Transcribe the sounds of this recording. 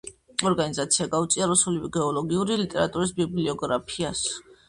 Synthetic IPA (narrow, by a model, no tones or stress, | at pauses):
ɔɾɡanizat̪sʰiaɡaut̪sʼiaɾusulivɛɡɛɔlɔɡiuɾilit̪ʼɛɾat̪ʼuɾisbibliɔɡɾapʰias